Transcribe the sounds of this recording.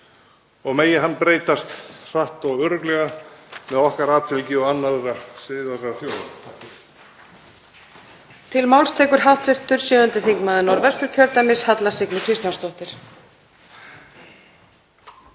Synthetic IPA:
ɔɣmeːjɪɦanːpɾeːjt̪ast̪r̥aht̪ɔɣœɾʏklɛɣamɛðɔhkaɾaːt̪ʰɪlcɪɔanːaðɾasɪðaɾaθjoːwð | t̪ʰɪlmawlst̪ʰɛːkʏɾɦawht̪vɪr̥t̪ʏɾ̥sjœːʏnt̪ɪθiŋkmaðʏnɔɾvɛst̪ʏɾ̥cʰœɾt̪amɪshat̪lasɪknɪkʰɾɪst̪jawnst̪ɔht̪ɪɾ̥

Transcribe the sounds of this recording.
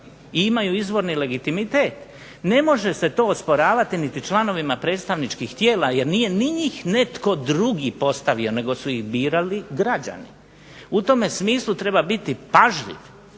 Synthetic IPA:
iimajuizʋo̞ɾnile̞ɡit̪imit̪e̞ːt̪ | ne̞mo̞ʒe̞se̞t̪o̞ːospo̞ɾaːʋat̪init̪it͡ʃlˠano̞ʋimapɾe̞ːt̪st̪aʋnit͡ʃkixt̪je̞ːlaje̞ɾnije̞niɲixne̞t̪ko̞d̪ɾuɡipo̞st̪aʋio̞ne̞ɡo̞suixbiːɾaliɡɾad͡ʑa̰nḭ | ut̪o̞me̞smiːslˠut̪ɾe̞babit̪ipaʒʎḭʋ

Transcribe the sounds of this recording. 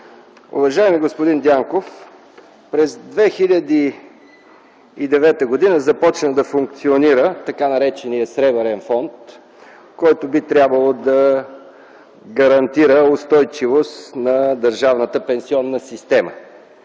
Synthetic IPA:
ṵvɐʒaɛmiɡospʊd̪ind̪ʲjaŋkof | pɾɛzd̪vɛxilʲəd̪i | d̪ɛvɛt̪əɡod̪inəzɐpɔt͡ʃnəd̪ɐfuŋk̚t̪sioniɾət̪ɐkanɐɾɛt͡ʃɛnijəsɾɛbɛɾɛnfɔnt̪ | kɔjt̪ʊbit̪ɾʲjabvəlˠod̪ɐ | ɡɐɾɐnt̪iɾəʊst̪ɔjt͡ʃivost̪nɐd̪ɐɾʒavnət̪əpɛnsiɔnːəsist̪ɛmə

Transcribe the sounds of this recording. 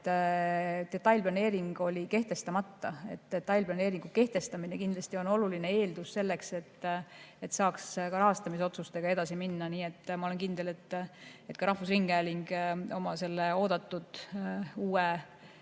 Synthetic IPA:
d̪e̞t̪ːˑɑjlʲplɑne̞ːɾiŋɡ̥o̞lʲike̞ht̪e̞st̪ɑmɑt̪ːɑe̞̰t̪ːe̞t̪ːɑjlplɑne̞ːɾiŋɡ̥uke̞ht̪e̞st̪ɑminekind̪̥lɑsʲt̪io̞no̞luline̞e̞ːld̪usːe̞lːe̞kse̞t̪ːe̞t̪ːsɑːkskɑɾɑɦɑst̪ɑmis̬o̞t̪sust̪e̞ɡ̥ɑe̞d̪̥ɑsiminːɑniːet̪ːmɑole̞nkind̪̥e̞le̞t̪ːe̞t̪kɑɾɑhvusriŋɡ̥æːliŋɡ̥o̞mɑse̞lːe̞o̞ːd̪̥ɑt̪ːud̪̥uːe

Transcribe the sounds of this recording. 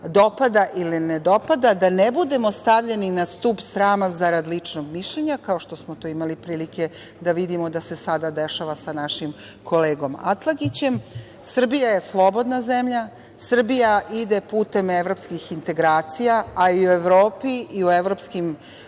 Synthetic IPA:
d̪o̞pad̪aʔilined̪o̞pad̪ad̪anebud̪e̞mo̞st̪aʋʎe̞ninast̪upsɾaːmazaɾad̪lit͡ʂnoɡmiʃʎeɲakaoʃt̪o̞smot̪oːimalipɾiːlike̞ | d̪aʋid̪imo̞d̪ase̞sad̪ad̪eʃaʋasanaʃim | kʰo̞leːɡo̞ma̰t̪lˠaɡit͡ɕe̞m | sr̩bijaje̞slˠo̞bo̞d̪nazemʎa | sr̩bijaʔid̪e̞puːt̪e̞meʋɾo̞pskixint̪e̞ɡɾaːt̪sijaaiue̞ʋɾoːpiiueʋɾo̞pskim

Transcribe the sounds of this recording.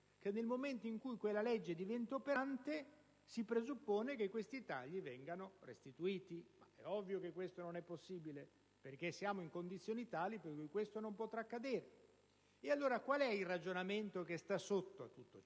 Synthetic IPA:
k̟enːelmoment̪oiŋkujkwelːalɛd͡ʒːed̪ivent̪opeant̪e | sipɾezupːoːnekekwest̪it̪aʎːivɛŋɡanorḛst̪it̪uiːt̪ima̰ɛɔvːjokekːwest̪ononɛpːosːiːbile | perk̟esːjaːmoiŋkond̪it̪sːjoːnit̪aːlipekujkwest̪onompot̪ɾakːad̪eːɾe | ealːoːɾakwalɛilrad͡ʒonament̪okest̪asot̪ːoat̪ːut̪ːo

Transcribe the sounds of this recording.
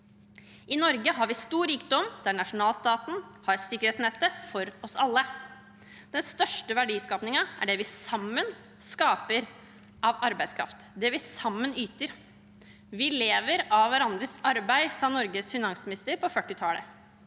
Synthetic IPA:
ɪnɔɾɡəɦɑɾʋɪst̪uːɾiːkd̪ɔmd̪̥æɳɑʂʊnɑːlst̪ɑːt̪n̩hɑɾsɪkːəɾeːt̪snɛt̪ːəfɔɾɔsɑlːə | d̪̥ɛnst̪œʂʈəʋæɖiːskɑːpnɪŋəʔæ̰ɖɛʋɪsɑmːən | skɑːpəɾ | ʔɑʋɑɾbæɪd̪skʰɾɑ̰ft̪d̪ɛʋɪsɑmːənyːt̪əɾ | ʋɪleːʋəɾɑʋʋæɾɑnd̪ɾəsɑɾbæɪsɑnɔɾɡəsfɪnɑŋsmɪnɪst̪əɾpɔfœʈːɪt̪ʰɑːlə̰

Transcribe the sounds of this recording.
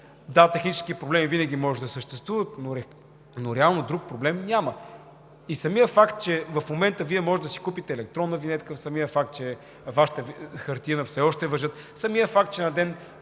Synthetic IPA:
d̪at̪ɛxnit͡ʃɛ̥skipɾoblɛmivinəɡ̟ʲimɔʒɛd̪ɐsəʃt̪ɛst̪vuvət̪noɾɛ | noɾɛalˠnod̪ɾuk̚pɾoblɛmnʲamə | isɐmijəfakt̪̚t͡ʃɛvɐfmomɛnt̪əviɛmɔʒɛt̪d̪ɐsikupit̪ɛːlɛk̚t̪ɾɔnːəvinɛt̪kəfsɐmijəfakt̪̚t͡ʃɛ | vaʃi̥t̪əxɐɾt̪inəfsɛɔʃt̪ɛvɐʒɤt̪ | sɐmijəfak̚t̪̚t͡ʃɛnɐd̪ɛn

